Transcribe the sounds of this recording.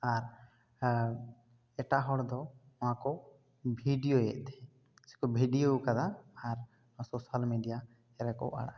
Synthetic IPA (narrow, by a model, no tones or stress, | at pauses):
aɾ | ɛʈaɦɔɽd̪ɔ | ɔ̃wãkɔ | bʱiɖijojɛ̰ʔt̪ɛ̥ | sɛ̥kɔbʱiɖijokad̪aaɾ | ɔsosalmiɖija | ɛɾɛkɔ̰ʔa̰ɽa̰